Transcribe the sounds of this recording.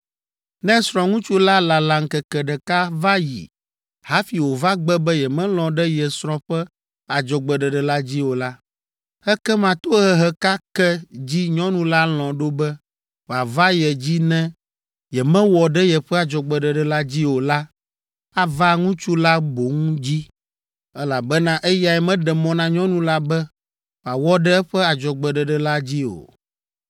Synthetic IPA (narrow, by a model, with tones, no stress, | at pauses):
nɛ̃˦sɾ̃ɔ̃˨ŋũ˦t͡ʃu˦la˦la˨la˨ŋ̩˨kɛ˨kɛ˨ɖɛ˨ka˦va˦jḭ˨ | ha˦fi˨wo˨va˦ɡ͡bɛ˦bɛ˦jɛ˨mɛ̃˦l̃ɔ̃˨ɖɛ˦jɛ˨sɾ̃ɔ̃˨ɸɛ˦ | a˨d͡ʒɔ˨ɡ͡bɛ˨ɖɛ˨ɖɛ˨la˦d͡ʑi˦wo˨la˦ | ɛ˦kɛ˦mã˨t̪o˦ɦɛ˦ɦɛ˦ka˦kɛ˦d͡ʑi˦ɲɔ̃˦nũ˦la˦l̃ɔ̃˨ɖo˦bɛ˦ | ɸa˨va˦jɛ˨d͡ʑi˦nɛ̃˦ | jɛ˨mɛ̃˦wɔ˨ɖɛ˦jɛ˨ɸɛ˦a˨d͡ʒɔ˨ɡ͡bɛ˨ɖɛ˨ɖɛ˨la˦d͡ʑi˦wo˨la˦ | a˨va˦ŋũ˦t͡ʃu˦la˦bo˨ŋũ˦d͡ʑi˦ | ɛ˦la˨bɛ˦nã˦ʔɛ˦ja˨ɛ˨mɛ̃˦ɖɛ˨mɔ̃˨nã˦ɲɔ̃˦nũ˦la˦bɛ˦ | ɸa˨wɔ˦ɖɛ˦ɛ˦ɸɛ˦a˨d͡ʒɔ˨ɡ͡bɛ˨ɖɛ˨ɖɛ˨la˦d͡ʑi˦o̰˨